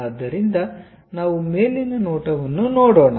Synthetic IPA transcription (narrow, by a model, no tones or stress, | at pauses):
d̪ːɐɾind̪ɐ | naːʋume̞ːlinɐnoːʈɐʋɐnːunoːɽoːɳɐ